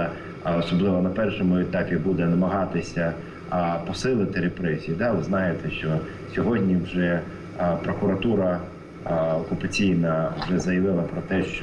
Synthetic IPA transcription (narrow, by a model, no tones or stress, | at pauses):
ɔsɔblˠɪʋɔnɐpɛrʃɔmʊɛt̪ɑpʲibud̪ɛnɐmɐɦɑt̪ɪsʲɐ | pɔsɪlˠɪt̪ɪɾepɾɛzʲiid̪ɑʋɪznɑjet̪ɛʃt͡ʃɔ | sʲɔɦɔdʲnʲiwʒɛ | pɾɔkʊɾɐt̪uɾɐ | ɔkʊpɐt͡sʲijnɐwʒɛzɐjɐʋɪlˠɐpɾɔt̪ɛʃt͡ʃ